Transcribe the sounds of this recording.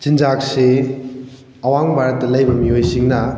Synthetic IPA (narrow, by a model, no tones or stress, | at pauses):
zind͡ʒakse | ɐwaŋbaɾɐt̚dɐlɐjbɐmiojsiŋnɐ